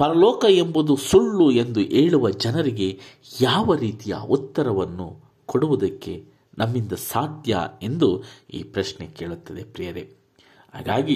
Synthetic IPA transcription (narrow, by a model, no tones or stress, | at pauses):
pɐɾɐlɔːkɐe̞mbud̪usuɭːue̞nd̪uʔeːɭuʋɐd͡ʒɐnɐɾiɡe̞ | jaːʋɐɾiːt̪ijɐ̰ut̪ːɐɾɐʋɐnːṵ | koɽuʋud̪ɐkːe̞ | nɐmːind̪ɐsaːd̪jɐ̰e̞nd̪uḭːpɾɐʃneke̞ːɭut̪ːɐd̪e̞pɾijɐɾḛ | ha̰ːɡaːɡi